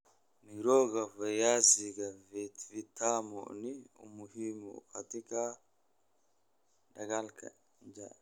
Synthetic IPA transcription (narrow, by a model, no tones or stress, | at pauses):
niɾɔːɡafajasiɡavɛt̪vit̪amɔ̰niṵmuhimukat̪ika | daɡalka̰ | ɲd͡ʒa